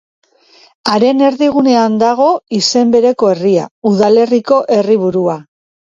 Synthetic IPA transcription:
aɾe̞ne̞ɾðiɣ̞une̞and̪aɣ̞o̞ise̞mbe̞ɾe̞ko̞e̞ria̰uðale̞riko̞ʔe̞riβ̞uɾua

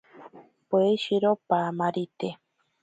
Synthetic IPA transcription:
poeʃiɾopamãɾit̪e

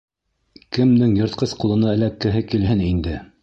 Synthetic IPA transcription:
kɘ̆mnɘŋjɤ̆ɾt̪̚qɤsqulˠɤ̆nɑɘ̆lækːɘ̆ɦɘkilɦɘnind̪ɘ

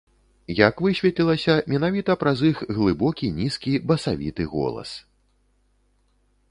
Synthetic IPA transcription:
jakvɨsʲvʲɛt̪lʲilˠɐsʲɐmʲɛnavʲit̪ɐpɾazixɣlˠɨbɔkʲinʲiskʲibɐsavʲḭt̪ɨɣɔ̰lˠɐ̰s

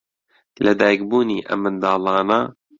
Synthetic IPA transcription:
lɐd̪aːjk̚buːniːʔɐ̰mːɨnd̪ɑːlˠɑːnɐ

